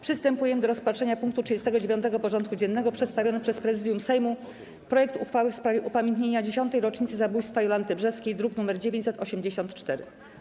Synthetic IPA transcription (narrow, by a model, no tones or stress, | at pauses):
pʂɘst̪ɛmpujɛmɘd̪ɔɾɔspatʂɛɲapuŋkt̪utʂɨd͡ʑest̪ɛɡɔd͡ʑevʲjɔnt̪ɛɡɔpɔʐɔnt̪̚kud͡ʑɛnːɛɡɔpʂɛt̪st̪avʲjɔnɛpʂɛspɾɛzɘd̪jumsɛjmu | pɾɔjɛkt̪uxfawɘfspɾavʲjɛʔupamʲjẽnt̪̬ɲeɲad͡ʑeɕɔnt̪ɛjɾɔt͡ʂɲit̪sɘzabujst̪fajɔland̪ɘbʐɛskʲejd̪ɾuknumɛɾd͡ʑevʲeɲt͡ɕsɛt̪ɔɕɛmd͡ʑeɕɔnt̪t͡ʂt̪ɛɾɘ̰